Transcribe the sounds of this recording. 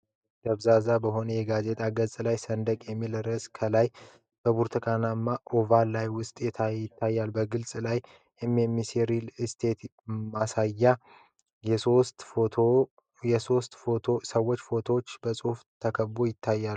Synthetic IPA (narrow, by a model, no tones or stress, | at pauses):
d̪əβzazabəɦo̞nəjɛɡaze̞t̪ʰʼaɡəzʼlajsənd̪əkʼjɛmːilɾəskʰəlaj | b̥əbuɾt̪ʰəkʼanamːaʔovalajwʊst̪ʼjɛt̪ʰaɪt̪ʰːajːalbəɡɨlsʼlaj | emɛmːiseɾilɨst̪ʰe̞t̪ | masajːa | ost̪ʰo | jɛso̞st̪foosəwːot͡ʃːfo̞t̪ʰot͡ʃːbəsʼuft̪ʰəkʰəbojɪt̪ʰːajːal